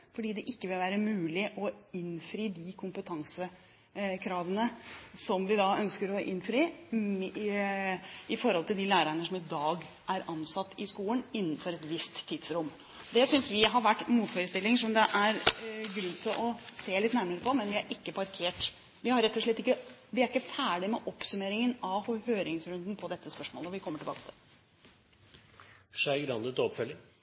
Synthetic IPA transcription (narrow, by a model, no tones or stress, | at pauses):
fɔɖiːd̪ɛʔɪkːəʋɪlʋæːɾəmʉːlɪʔɔɪnfɾiːd̪ɪkʰʊmpət̪ʰɑŋsə | kʰɾɑːʋənəsɔmʋɪd̪ɑœnskəɾɔʔɪ̰nfɾiː | ɪfɔɾhɔlt̪ʰɪld̪ɪːlæːɾəɳəsɔmɪd̪ɑːɡ | ʔæɾɑnsɑt̪ːɪskuːənɪnːn̩fɔɾɛt̪ʋɪst̪ʰːiːd̪̥sɾʊmː | d̪ɛsʏnsʋɪɦɑɾʋæʈːmuːt̪foːɾəst̪ɪlːɪŋʂɔmd̪ɛʔæɾɡɾʉnːt̪ʰɪlʔɔseːlɪt̪næɾməɾəpʰɔmɛnʋɪæɾʔɪkːəpʰɑɾkʰeːʈ | ʋɪhɑɾɛt̪ːɔʂɭɛt̪ːɪkːəʋɪæɾɪkːəfæːɖɪmɛʔɔpsʉmeːɾɪŋənɑʋhɔhøːɾɪŋsɾʉnd̪npʰɔd̪ɛt̪ːəspœʂmo̰ːlɔʋɪkʰɔmːəʈʰɪlbɑ̰ːkə̥t̪ʰɪl | ʂæɪɡɾɑnd̪ət̪ɔpfœlːɪ